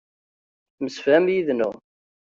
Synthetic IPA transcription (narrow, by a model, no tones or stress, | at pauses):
məsfæmjiðnʊ